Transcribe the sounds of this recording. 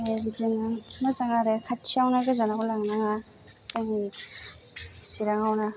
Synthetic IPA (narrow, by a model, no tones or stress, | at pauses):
aɡidinamazaŋaɾekʰatʰiawnaɡɯzanakɔlaŋnaŋa | seŋi | siɾaŋawna